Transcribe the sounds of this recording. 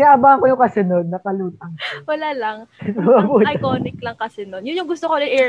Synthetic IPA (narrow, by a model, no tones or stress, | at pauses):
naʔɐbaːʔɐŋkojʊŋkɐsɛnonːɐkɐluːt̪̚ɐŋwɐlaːlɐŋnmɐbuːtj̪oːnɪklɐŋkɐsɛnonjʊnjʊŋɡʊst̪okonɐnʔɛ